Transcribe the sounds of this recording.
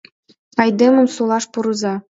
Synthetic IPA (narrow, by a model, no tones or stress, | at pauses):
ɑjd̪emə̆msolˠɑʃpuɾɤ̆zɑ